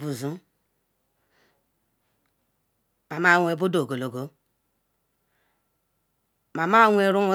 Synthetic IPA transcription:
bu˨zu˦ | ma˨ma˦ŋʷ˦e˦bu˦do˨ɡo˨lo˨ɡo˦ | ma˨ma˦ŋʷ˦e˦˨ɾu˦ŋʷu˦

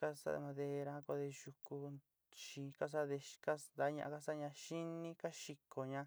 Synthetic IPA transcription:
ka˦sa̰˦˧mã˧ðe˧ɾa˧˦ko˧ðe˧ʒu˧ku˧ | ʃi˧ka˦s̬a˦ðe˧ka˦nd̪a˨˦ɲã̰˧ʔa˧ka˦sa˦˧ɲã˧ʃi˦nĩ˦ka˦ʃi˧kʰo˨ɲã˧

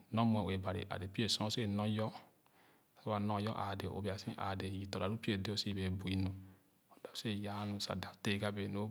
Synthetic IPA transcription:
nɔ̃˦m˦e˨we˨ba˨ɾḭ˨ʔa̰˨de˨pi˦e˦˨sɔ̃˦se˦˨nɔ̃˦jɔ˦˨ | o˦a˨nɔ̃˦jɔ˦ʔa̰˨de˨o̰˨be˨a˨sĩ˦ʔa̰˨de˨ji˨to˨ɾa˨ɾu˦pi˦e˦˨de˦o˦si˦˨be˨bu˨i˨nu˨ | o˨da˨˦se˦˨ja˦nũ˨sa̰˨da˨˦te˦˨ɡa˦be˨no˦

